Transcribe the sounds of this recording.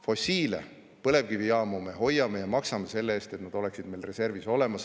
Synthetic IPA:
fo̞sʲiːlḛ | pɤle̞vkivijɑːmume̞ho̞jːɑme̞jɑmɑksɑmese̞lːeeːst̪e̞t̪nɑd̪̥o̞le̞ksid̪̥mejlre̞se̞rviso̞le̞mɑs

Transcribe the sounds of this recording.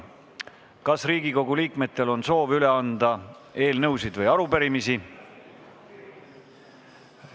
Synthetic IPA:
kɑsriːɡ̥iko̞ɡuliːkme̞t̪ːˑe̞lo̞nso̞ːvyle̞ɑnd̪̥ɑ | e̞ːlnɤwsid̪̥vɤjɑɾupeɾimisi

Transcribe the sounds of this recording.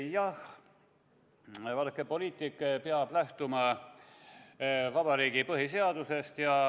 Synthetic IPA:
jɑh | vɑlkːˑepo̞liːt̪ˑikːpeɑb̥læht̪umɑ | vɑb̥ɑɾiːɡ̥ipɤɦise̞ɑd̪̥use̞st̪jɑ

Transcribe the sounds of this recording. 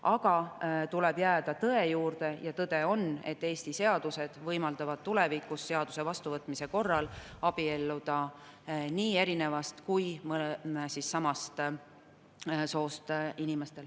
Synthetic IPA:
ɑɡ̥ɑt̪ulɛ̞bjæːd̪̥ɑt̪ɤe̞juːrd̪̥e̞jɑt̪ɤd̪̥e̞o̞ne̞t̪ːe̞ːst̪ise̞ɑd̪̥use̞d̪̥vɤjmɑld̪̥ɑvɑd̪̥̚t̪ːule̞vikːˑusːe̞ɑd̪̥use̞vɑst̪uvɤt̪ːˑmise̞ko̞rːɑlɑb̥ie̞lːud̪̥ɑ | niːe̞ɾine̞vɑst̪kujmɤlemsisːɑmɑst̪ | so̞ːst̪inime̞st̪e̞l

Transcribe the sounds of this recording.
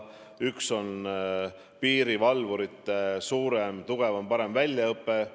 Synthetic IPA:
ykso̞n | piːɾivɑlvuɾit̪ːˑesuːɾemt̪uɡ̥e̞vɑmpɑɾe̞mvælʲjɑɤpːˑe̞

